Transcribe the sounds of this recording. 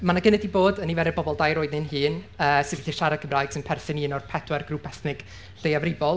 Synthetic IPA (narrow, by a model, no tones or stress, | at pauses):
manaɡənɛdiboːdənivɛɾɛbɔbɔlˠdajɾoːɨdnɪnɦɨːnəːsɪðəθiʃaɾakʰəmrajɡ̥sɪnpʰɛrθɪniːnɔrpʰɛdwɛrɡruːpʰɛθnɪɡ̥ | ɬejavrɪvɔlˠ